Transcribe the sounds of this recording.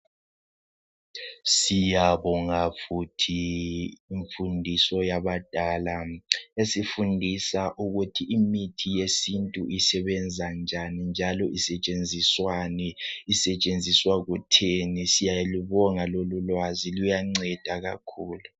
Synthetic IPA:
sijaβɔŋafutʰiː | ɱfundʱisɔjaβad̥ʱalaesifundʱisaʔuɣutʰiʔimitʰijesintʼuʔisɛβɛnd͡zʱand͡ʒʱanind͡ʒʱalɔʔisɛt͡ʃʼend͡zʱiswanɛisɛt͡ʃʼend͡zʱiswaɣutʰenisijajeluβɔŋalolulwazilujaŋ͡ǀɛd̥ʱaɣa̰kʰuːlu

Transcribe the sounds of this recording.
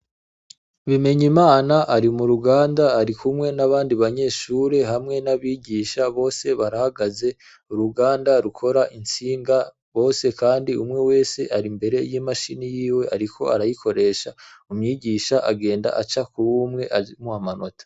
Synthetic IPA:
βime̞ɲimaːnaʔaɾimuɾuɡaːndaːɾikʰumŋe̞naβaːndiβaɲe̞ʃuɾe̞ɦamŋe̞naβiːɟiːʃaβo̞ːse̞βaɾahaɡaze̞ | uɾuɡaːndaɾukʰo̞ɾaʔint͡siːŋɡa | βo̞ːse̞kaːndiumŋe̞we̞ːse̞ʔaɾimbe̞ɾe̞jimaʃinijiːwe̞ʔaɾikʰo̞aɾajiko̞ɾe̞ːʃaumɲiːɟiːʃaʔaɡe̞ːnda̰ʔat͡ʃakuβumŋe̞ʔamuhamano̞tḁ

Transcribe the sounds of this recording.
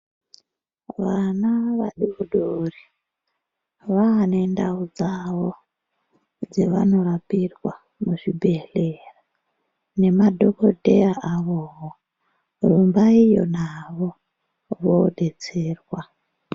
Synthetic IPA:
ʋanaʋaɗiuɗori | ʋaːne̞ndaud͡zaʋo | d͡zeʋano̞ɾapirwa | muʐibʱe̞lera | ne̞madʱokodʱeaʔaʋoɦo | rumbaijo̞̰naʋo̞ | ʋoɗe̞t͡seːrwa

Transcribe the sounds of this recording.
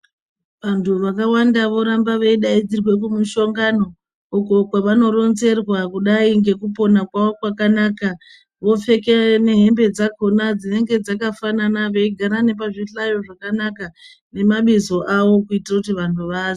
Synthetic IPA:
ʋantʰuʋakawandaʋo̞ɾambaʋeiɗaid͡zirwe̞k̬umuʃo̞ŋɡano̞ | uko̞kwaʋano̞ɾo̞nze̞rwakuɗaiŋɡe̞kupo̞nakwaʋokwakanaːka | ʋo̞fe̞kene̞ɦe̞mbe̞d͡zako̞nad͡zine̞ŋɡe̞d͡zakafananaʋe̞iɡʱaɾane̞p̬aʐiɬajo̞ʐakanaka | ne̞maɓizo̞ʔaʋo̞kuitirakutiʋantʰuʋazi

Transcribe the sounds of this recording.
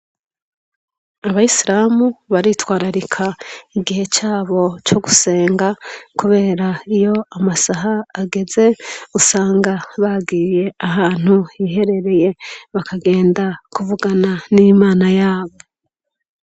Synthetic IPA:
aβajisiɾaːmuβaɾitwaːɾaɾikʰaiɡihe̞t͡ʃaːβo̞t͡ʃo̞ɡuse̞ːŋɡakuβe̞ːɾaijo̞amasaɦaːɡe̞ze̞usaːŋɡaβaɡiːje̞aɦaːn̥huiːɦe̞ɾe̞ɾe̞je̞βakʰaɡe̞ːndakuvuɡananiːmaːnajaːβo̞

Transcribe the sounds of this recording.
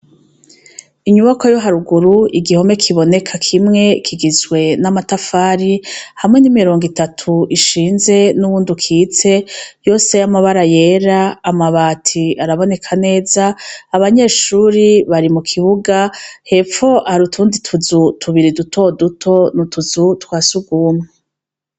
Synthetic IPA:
iɲuβakojo̞ɦaɾuɡuɾuiɡiho̞me̞kʰiβo̞ne̞kʰakʰimŋe̞kʰiɡizɡwe̞namatafaːɾihamŋe̞nimiɾo̞ːŋɡitatʰuiʃiːnze̞nuβuːndukʰiːt͡se̞jo̞ːse̞jamaβaɾaje̞ɾaːmaβaːtʰiaɾaβo̞ne̞kʰane̞ːzaːβaɲe̞ːʃuːɾiβaɾimukʰiβuɡahe̞p͡fo̞ʔaaɾutʰuːnditʰuzutʰuβiɾidutʰo̞dutʰo̞nutʰuzutkwaːsuɡuːmŋe

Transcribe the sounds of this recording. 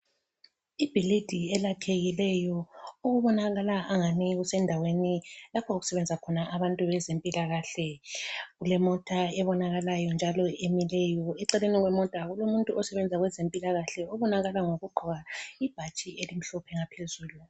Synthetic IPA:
ib̥ʱilid̥ʱiɛlakʰeɣilɛjɔoɣuβɔnaɣalaʔaŋaniɣusɛndʱawenilapʰɔuɣu̥sɛβɛnd͡zʱakʰɔnaʔaβantʼuβɛzempʼilaɣaɬɛɣulɛmɔtʼaɛβɔnaɣalajɔnd͡ʒʱalɔʔemilɛjɔɛǀɛleniɣwɛmɔtʼaɣulomuntʼuʔɔsɛβɛnd͡zʱaɣwɛzempʼilaɣaɬɛɔβɔnaɣalaŋoɣuɡ͡ǃʱɔɣaib̥ʱat͡ʃʼiʔelim̩ɬɔpʰɛŋapʰezuːlu

